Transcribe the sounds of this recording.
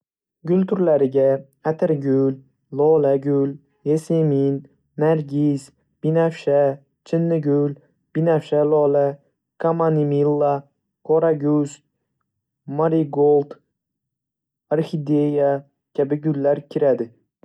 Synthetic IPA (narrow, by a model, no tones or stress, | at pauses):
ɡʲʊlt̪ʰʊɾlaɾɪɡʲa | at̪ʰɪɾɡʲʊl | lɒlaɡʲʊl | jeseminː | aɾɡʲis | b̥inafʃa | t͡ʃʰɪnːɪɡʲʊl | b̥inafʃalɒla | kʰamanimilˠːa | kʰoɾaɡʲʊs | maɾiɡolˠt̪ | aɾxid̪eja | kʲʰabɪɡʊlːaɾkʲʰɪɾad̪ɪ